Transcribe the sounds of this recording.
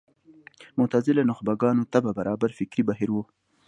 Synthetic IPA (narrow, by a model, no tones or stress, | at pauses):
mʊt̪azɪlanʊxbaɡɑːnot̪ababaɾɑbaɾfɪkɾibaɦiɾwo